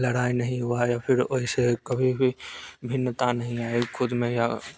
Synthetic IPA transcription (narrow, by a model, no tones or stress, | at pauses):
ləɽaːinɐɦĩɦʊajapʰɪɾoɦisekɐbʱibʱibʱɪnːət̪anəɦĩaːekʰʊd̪mẽja